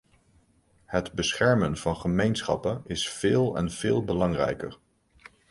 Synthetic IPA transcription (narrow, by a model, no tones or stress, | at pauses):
hədbəsχɛɹmənv̥ɑnχəmejnsχɑ̰pənɪsfɪːlˠɛ̰nv̥ɪːlˠbəlɑŋrɛ̰jkə̰ɹ